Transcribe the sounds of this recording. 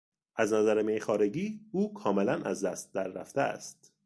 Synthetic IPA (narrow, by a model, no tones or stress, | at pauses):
ʔæznæzæɾemejχɒːɾe̞ɡiːuːkʰɒːme̞lænæzd̪æst̪̚d̪æɾːæ̰ft̪eæ̰st̪